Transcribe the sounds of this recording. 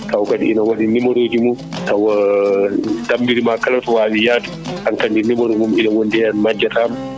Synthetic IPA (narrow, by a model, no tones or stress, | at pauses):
tawkaɗḭʔːnawaɗinːimɔɾoːd͡ʒimɔ | taw | dambiɾimakalatɔwaːwijaːta | ʔankandinːimɔɾɔmumiɗɛwɔndɛanmad͡ʒːatam